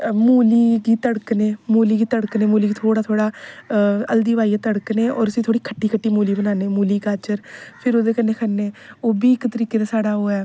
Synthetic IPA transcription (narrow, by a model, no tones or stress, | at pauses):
muːliːɡiːt̪əɽkneːmuːliːɡiːt̪əɽkneːmuːliːɡiːt̪ʰoːɽaːt̪ʰoːɽaː | əld̪iːʋaːiːat̪əɽkneːɔ̰ːɾəsĩːt̪ʰoːɽiːkʰəʈːiːkʰəʈːiːmuːliːbənaːneːmuːliːɡaːt͡ʃəɾpʰɪɾoːd̪eːkənːeːkʰənːeːoːbiːɪkt̪əɾiːkeːd̪aːsaːɽaːoːɛː